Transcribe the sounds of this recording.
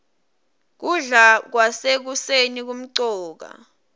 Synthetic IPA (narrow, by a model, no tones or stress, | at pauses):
k̬uɮak̬wasek̬usenik̬um̩ǀɔːk̬a̰